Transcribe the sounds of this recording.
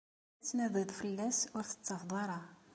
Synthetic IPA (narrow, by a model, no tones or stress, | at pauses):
t͡sːnæðəðˤfəlːæsʊɾθə̥t͡sːɑfd̪ˤɑɾˤɑ